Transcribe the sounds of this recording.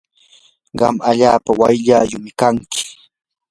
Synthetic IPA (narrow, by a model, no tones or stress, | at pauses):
ɢɑ̰maʎaːpawa̰jʎajʊmɪkaŋkɪ̥